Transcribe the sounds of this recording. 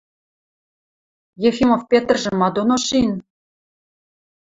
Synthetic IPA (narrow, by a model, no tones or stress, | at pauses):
jefʲimofpʲet̪̆rʒɘ̆mɑd̪onoʃin